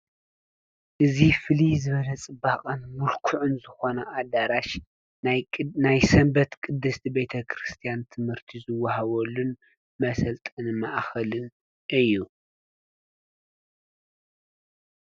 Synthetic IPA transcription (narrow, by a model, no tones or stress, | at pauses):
ʔɨzifɨlizɨβɐlɐt͡sʼɨbːaqʼɐnmʊlkʰʊʕʊnzɨxo̞nɐʔad̪aɾaʃ | najsɐmbɐt̪kʼɨd̪ːɨst̪ʰibe̞t̪ʰɐkʰɾɨst̪ʰijant̪ʰɨmhɨɾt̪ʰizɨwːaɦaβɔlːun | mɐsɐlt̪ʼɨnmaʔxɐlɨn | ʔɨjːu